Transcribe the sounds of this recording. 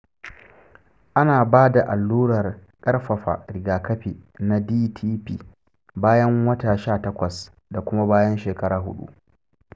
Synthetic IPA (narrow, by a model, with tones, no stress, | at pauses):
ʔa˦naː˨baː˦da˨ʔa˨lːuː˦ɽɐ˨r | kʼɐ˦rɸɐ˨ɸa̰˨ɽɪ˨ɡaː˨kɐ˦ɸi˨na˦diː˦tʰiː˦piː˦˨ | baː˦jɐ˦ŋwɐ˦ta˨ʃaː˦˨tɐ˦kʷɐ˨s | da˨kʷʊ˦ma˦baː˦jɐ˦nʃeː˨kɐ˦ɽaː˨ɦʊ̰˦ɗṵ˦ʔ